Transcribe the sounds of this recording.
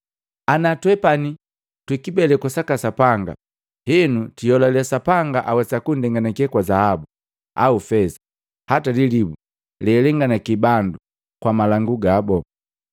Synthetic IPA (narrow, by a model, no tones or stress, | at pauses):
anatwɛpani | twikibɛlɛkasakasapaŋɡa̰ | hɛnutijɔlalɛasapaŋɡaʔawɛsakundɛŋɡanakɛkwazahabu | a̰ufɛsḁ | hatalilibu | lɛlɛŋɡanakibandu | kwamalaŋɡuɡabɔ